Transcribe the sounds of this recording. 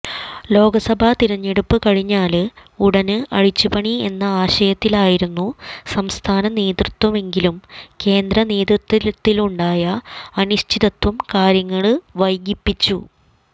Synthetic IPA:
lo̞ːɡɐsɐbʱɐt̪iɾɐɲːeɽupːɨkɐɻiɲːaːluɽɐnɨʔɐ̰ɻit͡ɕːupɐɳie̞nːɐaːɕɐjɐt̪ːilaːjiɾunːusɐmst̪ʰaːnɐne̞ːd̪rut̪wɐme̞ŋɡilumke̞ːnd̪ɾɐne̞ːðrut̪ːit̪ːiluɳɖaːjɐɐnuɕtʰiðɐt̪ːwɐmkaːɾjɐŋːɐɭɨʋɐjɡipːit͡ɕːu

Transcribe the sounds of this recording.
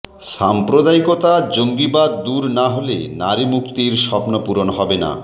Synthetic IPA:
ʃampɾod̪aikot̪ad͡ʑoŋɡibad̪ːuɾnaɦolḛnaɾimukt̪iɾʃɔpnopuɾonɦɔbena̰

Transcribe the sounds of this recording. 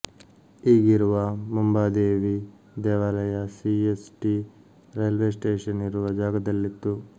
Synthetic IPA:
iːɡiɾuʋɐmumbaːd̪eːʋi | d̪ɛːʋaːlɐjɐsiesʈi | ɾɐjlʋeːsʈeːʂɐniɾuʋɐd͡ʒaːɡɐd̪ɐlːit̪ːu

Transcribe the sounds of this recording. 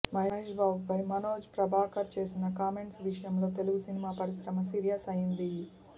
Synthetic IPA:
mɐɦɐɦeːʂbʱaːbupɐjmɐnoːd͡ʒpɾɐbʱaːkɐɾt͡ʃe̞ːsinɐkaːmeɳʈsʋiʂɐjɐmlo̞ːt̪e̞luɡusinimaːpɐɾisɾɐmɐs̬iːɾjɐsɐjind̪i

